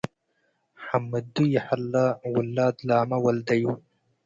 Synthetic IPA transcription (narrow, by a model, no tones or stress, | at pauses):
ħamːɐd̪ujaħalːawʊlːaːd̪laːmɐwɐld̪ɐju